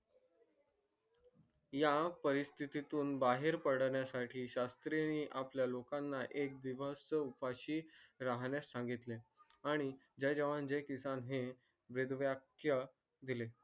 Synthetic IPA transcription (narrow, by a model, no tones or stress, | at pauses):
japəɾist̪ʰit̪it̪uːnbaɦeɾpəɽɳjasaʈʰiːɕast̪ɾeniːʔapljalokanːaʔek̚d̪iʋəsupaɕiːɾaɦɳjasːãŋɡit̪le | aɽ̃i | d͡ʑejd͡ʑəʋãnd͡ʑekisanɦe | bɾed̪ʋjakjə | d̪ile